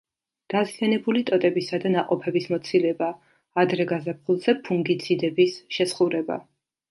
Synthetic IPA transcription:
d̪̥azjanɛbulit̪ʼɔt̪ʼɛbisad̪anaqʼɔpʰɛbismɔt̪sʰilɛbaː | d̪ɾɛɡazap̚χilˠz̥ɛpʰuŋɡit̪sʰid̪ɛbisʃɛsχuɾɛba̰

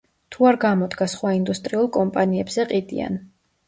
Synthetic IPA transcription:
t̪ʰuaɾɡamɔd̪ɡasχwaind̪ust̪ʼɾiulˠkʼɔmpʼaniɛbz̥ɛqʼid̪ḭa̰n

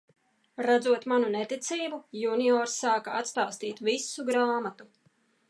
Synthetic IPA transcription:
ɾad̪zuɔt̪manunɛt̪it̪siːbujuniɔːɾsːaːkaat̪st̪aːst̪iːt̪visuɡɾaːmat̪u

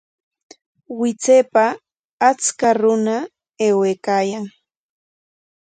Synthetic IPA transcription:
wɪt͡seːpaː | t͡skaɾʊna | eːweːkaːjaŋ

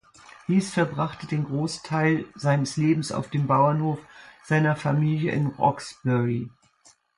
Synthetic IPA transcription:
d̥iːsfɛɐbʁaχtədeːnɡʁoːstʰaɪlz̥aɪnəsleːbm̩sa̰ʊfd̥eːmbaʊɐnhoːfz̥aɪnɐfamiːljəʔɪ̰nʁɔ̰ksb̥ɛʁi

